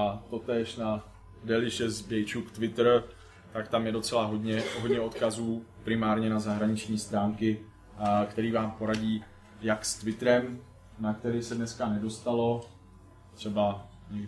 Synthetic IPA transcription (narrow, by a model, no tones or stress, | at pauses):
ʔat̪o̞t̪ɛːʃna | dɛlɪʃɛzbɛjt͡ʃukt̪vɪt̪r | t̪akt̪amjɛdo̞t͡sɛlaɦodɲɛɦodɲɛot̪kazuːpɾɪmaːɾɲɛnazaɦɾaɲɪt͡ʃɲiːst̪ɾaːŋkɪ | kt̪ɛɾiːvaːmpo̞ɾaɟiː | jakst̪vɪt̪ɾɛm | nak̚t̪ɛɾɪsɛdnɛskanɛdo̞st̪alo̞ | t̪r̝̥ɛba | ɲɛɡ